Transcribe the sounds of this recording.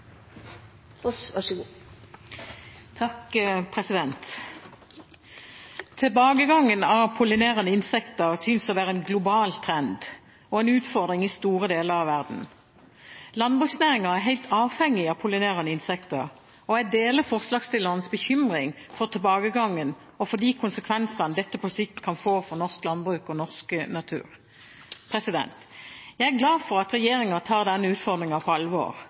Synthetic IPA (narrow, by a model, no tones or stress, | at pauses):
ɑɡ | t̪ʰɑkpʰʁɛsɪd̪ɛnt̪ | t̪ʰɪlbɑːɡəɡɑŋːənɑʋpʰʊlɪneːʁənəɪnsɛkt̪əʁsʏnsɔʋæːʁəɛnɡlʊbɑːlt̪ʰʁɛnd̪ | ɔɛːnʉːt̪fɔʁd̪ʁɪŋɪst̪uːʁəd̪eːləʁɑʋæʁd̪n̩ | lɑnbʁʉːksnæːʁɪŋɑæʁɦæɪlt̪ʰɑːʋhɛŋːɪɑpʰʊlɪneːʁɑnəɪnsɛkt̪əɾ | ɔæd̪eːləfɔʁslɑːɡst̪ɪlːəʁnəsbəçʏmʁɪŋfɔʁt̪ʰɛlbɑːɡəɡɑŋːən | ɔfɔʁd̪iːkʰʊnsəkʰʋɛnsɑnəd̪ɛt̪ːəpʰɔsɪkkʰɑnfoːfɔʁnɔʁsklɑnbʁʉːkɔnɔʁsknɑt̪ʰʉ̰ːʁ | pʰʁɛsɪd̪ɛ̰nt̪jæɪæɡlɑːfɔɾɑt̪ʁɛjeːɾɪŋɑt̪ʰɑːʁd̪ɛnːəʉːt̪fɔʁd̪ʁɪŋɑpʰɔɑlʋo̰ːʁ